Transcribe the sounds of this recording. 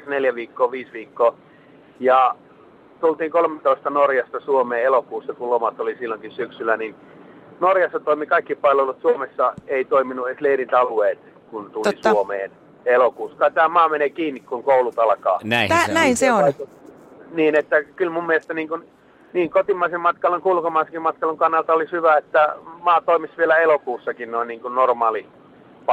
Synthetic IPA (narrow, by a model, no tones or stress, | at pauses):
ɑksneljæʋiːkːoːʋiːsʋiːkːoː | jɑ | t̪ult̪iːŋkolmet̪oist̪ɑnorjɑst̪ɑsuomeːelokuːsːɑkulomɑt̪olisilːoŋkissyksylːˑænin | norjɑsːɑt̪oimikɑikːipɑllʋelut̪suomesːɑeit̪oiminuesleirint̪ɑlueːt̪ | kunt̪ulisuomḛːn | elokuːskɑːt̪æːmɑːmeneːkiːnːikkuŋkoulut̪ɑlkɑ̰ːnænæinseoɑio | niːnet̪ːækylmumːielest̪æniːŋkun | niːŋkot̪imːɑisemmɑt̪kɑloŋkulkomɑisekimɑt̪kɑluŋkɑnːɑlt̪ɑolishyʋæet̪ːæmɑːt̪oimisʋielæelokuːsːɑkinnoinniːŋkunnormɑːli | pɑ